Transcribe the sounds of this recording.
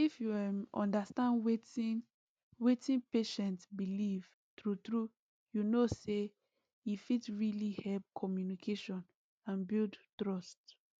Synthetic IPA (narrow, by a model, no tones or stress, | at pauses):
ifjuɛmɔ̰̃ndastãndweti | wetĩnpeʃɛ̃ntsbiliv̥ | tɹutɹu | junose | ifitɹilihɛlp̚kʰɔmjunikʰeʃɔ̃n | ãnbildtɹɔst